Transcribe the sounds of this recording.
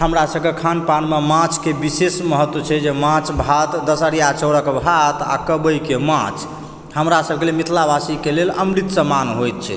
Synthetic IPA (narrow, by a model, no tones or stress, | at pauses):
ɦəmɾasəb̚ʱkekʰanpanmemãt͡ʃʰkebisesməɦət̪ːwət͡ʃʰɛd͡ʒemãt͡ʃbʱat̪d̪əsəɽijat͡ʃəwɾəkbʱat̪a̰kəbəjkemã̰t͡ʃʰ | ɦəmɾasəb̚ʱkelelmit̪ʰlabasikeleləmɾit̪səmanɦojt̪̚t͡ʃʰɛ̰